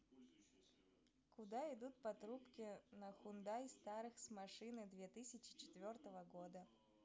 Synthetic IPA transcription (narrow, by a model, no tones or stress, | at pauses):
kʊd̪aɪd̪ut̪̚pɐt̪ɾupkʲɪnəxʊnd̪ajst̪aɾɨxsmɐʂɨnɨd̪vʲet̪ɨsʲɪt͡ɕɪ̥t͡ɕɪ̥t̪vʲo̞rt̪əvəɡod̪ə